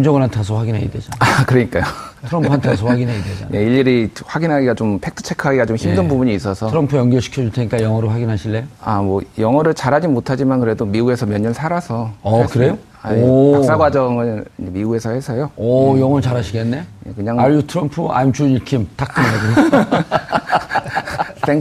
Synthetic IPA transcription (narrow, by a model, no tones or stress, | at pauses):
md͡ʑʌŋɯnantʰasʰoɸwaɡinɦaɡidwed͡ʑanakɯɾʌɲik͈ajotʰɾʌmpʰuantʰasʰoɸaɡinɦaɡidwed͡ʑa̰njeiʎːiɾiɸwaɡinɦaɡiɡat͡ɕompʰe̞k̚tʰɯ̥t͡ɕʰe̞kʰɯaɡiɡat͡ɕomçimdɯnbubuɲiːs͈ʌsʰʌɾʌmpʰujʌŋɡʌɭɕʰi̥kʰjʌd͡ʑuɭtʰeɲik͈ajʌŋʌɾoɸwaɡinɦaɕʰiɭːejamwʌjʌŋɦʌɾɯɭt͡ɕaɾɦad͡ʑimotʰad͡ʑimankɯɾe̞domiue̞sʰʌmjʌɲːʌnsʰaɾasʰʌʌkɯɾe̞jo | aas͈aɡwad͡ʑʌŋɯɭid͡ʑemiue̞sʰʌhe̞sʰʌjoʌjʌŋʌɯɭt͡ɕaɾɦaɕʰiɡe̞nːe̞je̞kɯɲaŋaʎːutʰɯɾʌmpʰua̰imt͡ɕuɲikʰimtakk͈ɯnaɯe | s͈eŋ